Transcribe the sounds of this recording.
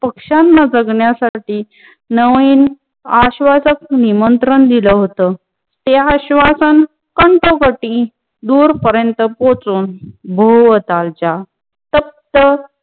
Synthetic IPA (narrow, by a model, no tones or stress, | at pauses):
pəkʂanːad͡zəɡɳjasaʈiː | nəʋiːn | aɕʋasək̚nimənt̪ɾənd̪iləɦot̪ə | t̪eaɕʋasən | kəɳʈokəʈĩ | d̪uːɾpəɾjənt̪əpot͡suːnbʱəʋət̪alt͡ɕa | t̪əp̚t̪ə